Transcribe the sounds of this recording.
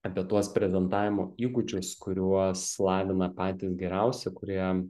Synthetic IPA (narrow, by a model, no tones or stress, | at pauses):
ɐpʲiɛt̪uɔspʲɾʲɛzʲɛnt̪ɑːʋʲɪmoːiːɡʊd͡ʒʲʊskʊɾʲuɔslˠɑːʋʲɪnɐpɑːt̪ʲɪːsɡʲɛɾʲɛʊsʲɛkʊɾʲiɛ